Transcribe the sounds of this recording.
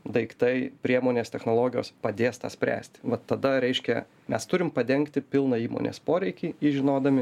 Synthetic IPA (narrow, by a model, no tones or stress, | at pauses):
d̪ɐɪkt̪ɐɪpʲɾʲiɛmoːnʲeːst̪ʲɛxnoːlˠoːɡʲɪjo̰ːspɐd̪ʲeːst̪ɑ̰ːsʲpʲɾʲæ̰ːsʲt̪ʲʋɐt̪ːɐd̪ɐɾʲɛɪʃʲkʲɛ | mʲɛst̪ʊɾʲɪmpɐd̪ʲɛŋkt̪ʲɪpʲɪlˠnɐiːmo̰ːnʲḛːspoːɾʲɛɪkʲiːiʒʲɪnoːd̪ɐmʲɪ